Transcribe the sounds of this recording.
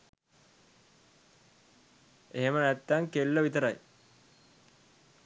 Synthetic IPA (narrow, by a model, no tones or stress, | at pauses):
eɦemənæt̪ːaŋkelːəʋit̪əɾaj